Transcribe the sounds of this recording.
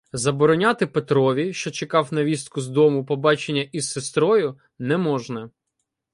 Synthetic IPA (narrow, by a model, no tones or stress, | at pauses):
zɐbɔɾɔnʲat̪ɪpet̪ɾɔʋʲiʃt͡ʃɔt͡ʃekɑwnɐʋʲist̪̚kʊzd̪ɔmʊpɔbɑt͡ʃenʲːɐʔissest̪ɾɔjʊ | nɛmɔʒnɐ